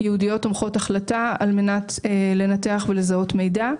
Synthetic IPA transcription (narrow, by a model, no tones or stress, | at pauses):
jɛudijo̞tomχo̞taχlataalme̞natle̞nate̞aχvele̞zao̞tme̞jda